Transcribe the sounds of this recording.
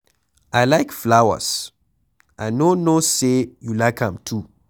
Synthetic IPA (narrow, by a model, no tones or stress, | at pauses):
ajlajkflawə̰s | ʔajnonosejulaɪkãmtʰu